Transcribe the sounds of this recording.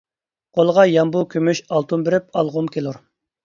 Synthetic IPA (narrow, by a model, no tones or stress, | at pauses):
qʰolˠəʁɑjɑmbukʲʰømyʃɑlˠt̪ʰumbɪɾɪp̚ɑlˠʁʊmkʲʰelˠuɾ